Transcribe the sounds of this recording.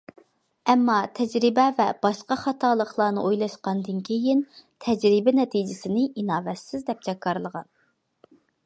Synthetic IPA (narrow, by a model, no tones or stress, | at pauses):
ɛmːɑt̪ʰɛd͡ʒɾɪbɛvɛb̥ɑʃqɑχɑt̪ʰɑːlˠəχlˠɑːnɨʔojlˠɑʃqɑnd̪ɨnkʲʰejint̪ʰɛd͡ʒɾɪbɛnɛt̪ʰid͡ʒɪsɪnɪʔinɑːvɛt̪sɪzd̪ɛp̚t͡ʃʰɛkʰːɑɾlˠəʁɑn